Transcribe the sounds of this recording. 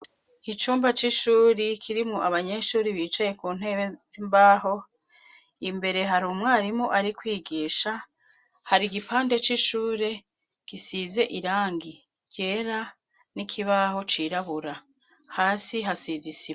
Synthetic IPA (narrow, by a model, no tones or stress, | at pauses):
it͡ʃuːmbat͡ʃiʃuːɾikʰiɾimuʔaβaɲe̞ʃuːɾiβiːt͡ʃaje̞kuːn̥ɦez̥imbaːho̞ | imbe̞ɾe̞ɦaɾumŋaɾimoʔaɾikwiːɡiːʃa | haɾiɡifaːnde̞t͡ʃiʃuːɾe̞ɡ̥isize̞ʔiɾaːŋɡije̞ːɾanikʰiβaɦo̞t͡ʃiɾaβuɾahaːsiɦasizisiβa